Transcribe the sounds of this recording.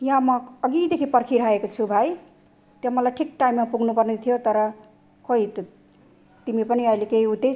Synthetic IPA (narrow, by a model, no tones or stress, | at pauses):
jʌɦãmʌʌɡid̪ekʰipʌɾkʰiɾɦaekot͡sʰubʱaj | t̪jamʌlajʈʰik̚ʈaimːapuɡʱnupʌrnet̪ʰijot̪ʌɾʌ | kʰʌɦit̪ | t̪imipʌniʌjlekeɦiut̪e